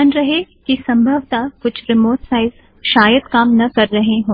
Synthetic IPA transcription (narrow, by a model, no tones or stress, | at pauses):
ənɾɐɦekisɐ̃mbʱəʋt̪akʊt͡ʃʰɾɪmoːʈsaːɪz | ʃaːjəd̪kaːmnɐkɐɾːɐɦeɦõː